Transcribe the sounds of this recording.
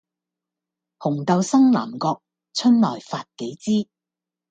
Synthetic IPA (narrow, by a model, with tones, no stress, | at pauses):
hʊ˨˩ŋt̪ɐ˨˧wsɐ˥ŋlaː˨˩mkɔː˧k̚ | t͡sʰɵ˥nlɔː˨˩jfaː˧t̚ke˨˥jt͡siː˥